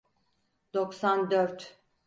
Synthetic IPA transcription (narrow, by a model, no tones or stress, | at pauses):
d̪̥oksand̪øɾt̪